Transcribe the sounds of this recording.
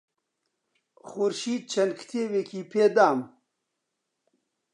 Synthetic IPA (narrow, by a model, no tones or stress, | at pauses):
xuɾʃiːd̪̚t͡ʃʰɐnd̪kʰt̪ʰeːwekʰiːpʰeːd̪aːm